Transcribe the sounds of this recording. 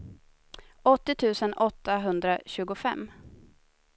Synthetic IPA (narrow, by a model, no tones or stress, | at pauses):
ɔt̪ːɪt̪ʰʉ̟ːsənɔt̪ːaɦɵnd̪ɾaɕʉ̟ːɡʊfɛmː